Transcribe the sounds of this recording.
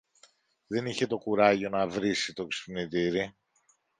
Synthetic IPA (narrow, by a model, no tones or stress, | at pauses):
ðe̞niçe̞t̪o̞kuɾɐʝo̞nɐvɾisit̪o̞ksi̥pniðiɾi